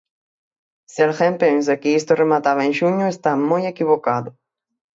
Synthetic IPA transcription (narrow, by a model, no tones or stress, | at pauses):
selxẽmpẽns̬akɪist̪ʊremat̪aβɐẽŋʃuɲʊest̪amojekiβokaðʊ